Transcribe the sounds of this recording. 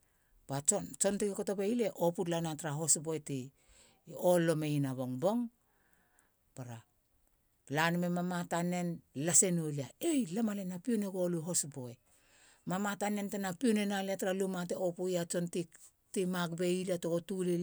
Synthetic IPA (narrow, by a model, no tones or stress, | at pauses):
b̥at͡ʃont͡ʃo̞ntikeko̞to̞be̞ile̞ʔo̞putlanataɾaɦo̞sboeti | olːo̞meinaβo̞ŋbo̞ŋ | paɾa | lanmemamatane̞nlase̞noliaejlamalenapioneɡo̞luɦo̞sbo̞e̞ | mamatane̞ntenapionenaleataɾalumateopujat͡ʃo̞ntik | timakbeilatoɡotule